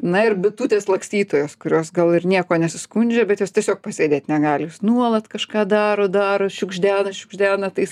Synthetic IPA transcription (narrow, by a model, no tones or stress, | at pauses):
nɐɪrbʲɪt̪uːt̪ʲeːslˠɐksʲt̪ʲiːt̪oːjoːskʊɾʲoːsɡɐlˠɪrnʲiɛkoːnʲɛsʲʊskunʲd͡ʒʲɛbʲɛt̪juːstʲiɛsʲoːk̚pɑsʲeːdʲeːt̪ʲnʲɛɡɑːlʲjuːsnuɔlˠɐt̪kɐʃkɑːd̪ɑːɾoːd̪ɑːɾoʃʲʊɡʒʲd̪ʲæːnɐʃʲʊɡʒʲd̪ʲæːnɐt̪ɐɪs